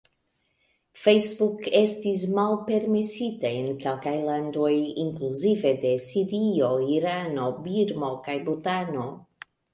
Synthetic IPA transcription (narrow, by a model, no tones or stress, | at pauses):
fejsbuke̞stis̬malpe̞ɾmesiteenkelkajland̪o̞jiŋkluzive̞d̪e̞siɾio̞iɾano̞biɾmo̞kajbutano̞